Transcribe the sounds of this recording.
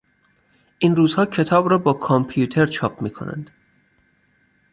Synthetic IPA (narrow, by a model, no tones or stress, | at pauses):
ʔiːnruːzhɒːcʰe̞t̪ʰɒːbɾɒːbɒːkʰompʰjuːt̪ʰe̞ɾt͡ʃʰɒːpʰmiːkʰo̞̰nʔæ̰nd̪̥